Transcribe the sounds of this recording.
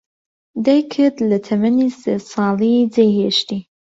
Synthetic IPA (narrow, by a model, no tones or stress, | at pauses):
d̪ajkʰɨd̪lɐt̪ʰɐmɐnisesɑːlid͡zejheʃt̪i